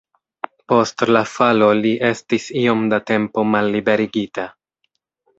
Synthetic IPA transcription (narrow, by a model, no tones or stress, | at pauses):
po̞stlafalo̞liʔe̞stisio̞mdate̞mpo̞malːibe̞ɾiɡita